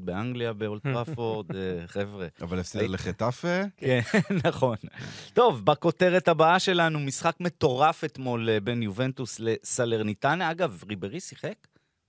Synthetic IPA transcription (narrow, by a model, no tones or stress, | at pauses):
tbeaŋɡliabeolt̪pafoʁd̪χevʁeʔavalefseleχet̪afekenːaχo̞nt̪o̞vbako̞te̞ʁetabaaʃe̞lanumisχakme̞t̪o̞ʁafet̪mo̞lbenjuve̞ntusle̞saleʁnitanʔaɡavʁibeʁisiχek